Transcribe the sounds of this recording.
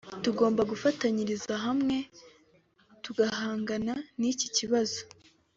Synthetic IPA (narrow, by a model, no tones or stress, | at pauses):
tuɡo̞ːmbaɡufataɲiɾizaɦamŋe̞ | tuɡahaːŋɡananici̥ciβazo̞̥